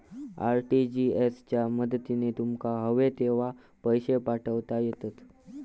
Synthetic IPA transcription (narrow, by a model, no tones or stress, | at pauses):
a̰ɾʈid͡ʑiest͡ɕjaməd̪t̪inet̪umkaɦəʋet̪eʋ̤a | pəjɕepaʈʰəʋt̪ajet̪at̪